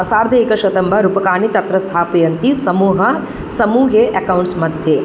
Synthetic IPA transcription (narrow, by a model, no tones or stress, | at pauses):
ɐsaːɾd̪ʱɐikɐʃɐt̪ɐmbʱɐɾupɐkaːnit̪ɐt̪ɾɐst̪ʰaːpijɐnt̪isɐmuːɦɐ | sɐmuːɦeʔɐkɐwɳʈsmɐd̪ʱje